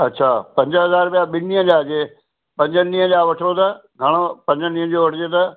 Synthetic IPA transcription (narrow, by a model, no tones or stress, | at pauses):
ɐtːɕʰaːpɐ̃ɲd͡ʑəɦɐzaːɾpijaɓɪniɦə̃d͡ʑaːd͡ʑeː | pɐ̃ɲd͡ʑənĩːə̃d͡ʑaːʋɐʈʰot̪ʰɐɡʱɐɽ̃opɐ̃ɲd͡ʑənĩːə̃d͡ʑoːʋɐʈʰɪd͡ʑet̪ɐ